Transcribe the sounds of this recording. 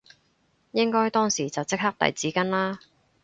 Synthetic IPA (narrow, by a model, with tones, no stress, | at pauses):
jɪ˥ŋkɔː˥jt̪ɔː˥ŋsiː˨˩t͡sɐ˨wt͡sɪ˥k̚haː˥k̚t̪ɐ̰˨jt͡siː˨˥kɐ˥nlaː˥